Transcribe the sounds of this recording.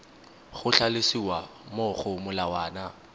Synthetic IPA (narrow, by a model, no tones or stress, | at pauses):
χʊɬalɪsiwamʊχʊmʊlawaːna